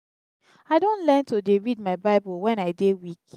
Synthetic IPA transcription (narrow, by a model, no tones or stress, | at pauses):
aɪdõnlɛ̃ntodeɹid̚maɪbaɪbuwɛ̃naɪdewik